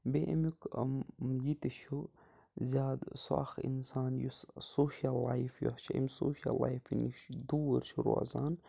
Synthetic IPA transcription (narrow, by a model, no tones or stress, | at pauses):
beʔimikmjit̪iʃu | zʲaːd̪sa̰ːxḭnsaːnjussoʃalːajfjo̰hʃiḛmsoːʃa̰lajfiniʃd̪uɾʃuɾṵa̰zaːn